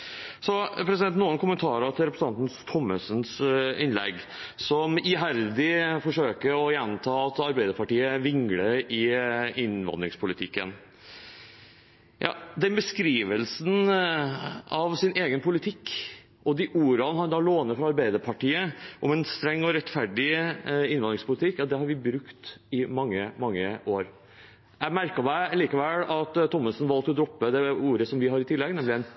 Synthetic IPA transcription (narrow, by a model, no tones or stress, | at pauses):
sɔpʰɾɛsɪd̪ɛnt̪nuːənkʊmənt̪ʰɑːɾət̪ʰɪlɾɛpɾəs̩ɑnt̪n̩st̪ʰɔmːəsənsɪnlɛ̰ɡ | sɔmiɦæɾd̪ɪfɔʂøːkəɾɔjɛnt̪ʰɑːɑt̪ɑɾbæɪd̪əɾpʰɑʈiːəʋɪŋɡləɾɪɪnʋɑ̰nd̪ɾɪŋspʰʊlɪt̪ʰɪkːə̰n | jɑ̰ːd̪ɛnbəskɾiːʋəlsn | ɑʋsɪnʔeːɡənpʰʊlɪt̪ʰɪkː | ʔɔd̪ɪʔuːɾɑnhɑɾd̪ɑːloːnəfɾɑɑɾbæɪd̪əɾpʰɑʈiːəʔɔmɛnst̪ɾɛŋːɔɾɛt̪fæɖɪɪnʋɑnd̪ɾɪŋspʰʊlɪt̪ʰɪkːɑd̪ɛhɑɾʋɪbɾʉkt̪ɪmɑŋːəmɑŋːəʔoːɾ | jæmæɾkəmæɪliːkɑʋɛlːɑt̪ʰːɔmːəsnʋɑlt̪ɔd̪ɾɔpːəd̪ɛuːɾəsɔmʋɪɦɑɾɪt̪ʰɪlːɛɡnɛmlɪæn